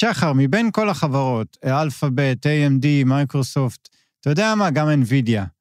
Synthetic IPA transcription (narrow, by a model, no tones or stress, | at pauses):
ʃaχaʁmibenko̞laχavaʁo̞tealfabetejemdimajkʁosoft | tːajodeamaɡamenvidja